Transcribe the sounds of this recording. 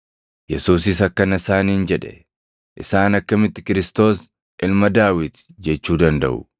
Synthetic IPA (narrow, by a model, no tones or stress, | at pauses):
jɛsuːs̬ɪs̬ɐkːɐnɐɪsaːniːnd͡ʒɛᶑɛ̥̰ | ʔɪsaːnɐkːɐmɪt̪ːɪkɪɾɪst̪o̞ːs | ʔɪlmɐd̪aːwɪt̪d͡ʒɛt͡ʃːuːd̪ɐnd̪ɐ̰ʔʊ